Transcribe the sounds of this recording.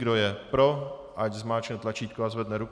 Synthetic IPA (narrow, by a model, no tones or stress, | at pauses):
ɡdojɛpɾoʔaczmaːt͡ʃnɛt̪lat͡ʃiːt̪̚koazvɛd̪nɛɾuk